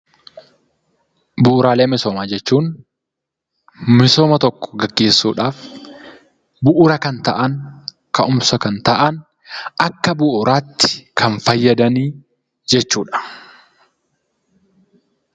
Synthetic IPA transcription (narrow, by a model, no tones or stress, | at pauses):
bʊʔːɾaːle̞ːmɪsoːmaːd͡ʒɛt͡ʃːuːŋ | mɪso̞ːmɐt̪ɔkːɔ̥ɡɐɡːe̞ːsːṵːᶑaːf | bʊʔʊɾɐkɐnt̪ɐʔɐn | kɐʔʊmsɐkɐnt̪ɐʔɐn | ɐkːɐbʊʔʊɾʔaːt̪ːɪ̥kʰɐnfɐjːɐd̪ɐniː | d͡ʒɛt͡ʃːuːᶑɐ̥